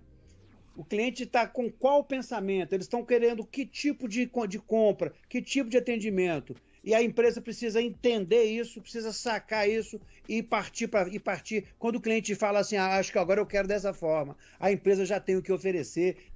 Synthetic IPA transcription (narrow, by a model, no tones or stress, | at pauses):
ʊkliẽt͡ʃɪt̪akõkwawpẽsamẽnt̪ʊelɪst̪ɐ̃w̃keɾẽnd̪ʊkɪt͡ʃipʊd͡ʒɪkõd͡ʒɪkõpɾɐkɪt͡ʃipʊd͡ʒɪat̪ẽnd͡ʒimẽnt̪ʊ | ɪɐẽpɾezɐpɾesizɐẽt̪ẽnd̪eɾisʊpɾesizɐsakaɾisʊ | ɪpaɾt͡ʃipɾɐɪpaɾt͡ʃiɾkwɐ̃nd̪ʊkliẽt͡ʃɪfalɐasĩaaʃʊkɪaɡɔɾɐewkɛɾʊd̪ɛs̬ɐfɔɾmɐ | ɐẽpɾezɐʒat̪ẽj̃ʊkɪofeɾeseɾ